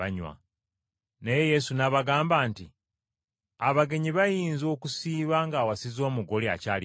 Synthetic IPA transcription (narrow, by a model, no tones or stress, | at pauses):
aɲwa̰ | neje̞je̞sunaβaɡaːmbaːnti | aβaɡe̞ɲiβajiːnzo̞ːkusiːβaŋɡaːwasizo̞ːmuɡo̞lia̰caːli